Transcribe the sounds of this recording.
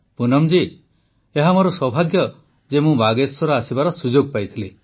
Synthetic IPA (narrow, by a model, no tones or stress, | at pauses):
punɔmd͡ʒi | eɦamɔɾɔswɔbʱaɡjɔ | d͡ʒemũbaɡeswɔɾɔasibaɾɔsud͡ʒoɡ̚pajt̪ʰile